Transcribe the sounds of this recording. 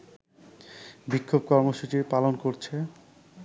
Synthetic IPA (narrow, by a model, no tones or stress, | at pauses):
bikʰːob̚kɔɾmoʃut͡ɕiɾpalonkoɾt͡ɕʰe